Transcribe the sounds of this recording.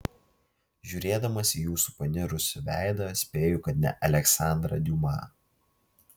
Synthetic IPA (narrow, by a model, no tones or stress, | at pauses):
ʒʲuːɾʲeːd̪ɐmɐsʲijuːsu̥pɐnʲɪɾʊsʲʊʋʲæˑɪd̪ɐsʲpʲeːjʊkɐt̪ʲnʲɛ̰ʔɐlʲɛksɑˑnd̪ɾɐ̰d̪ʲumɑ̰ː